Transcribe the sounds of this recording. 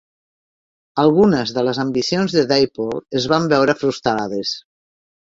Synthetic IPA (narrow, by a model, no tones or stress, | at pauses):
əlˠɣunəzðələzəmbisionzðəðejpoləzβambɛwɾəfɾust̪ɾað̞əs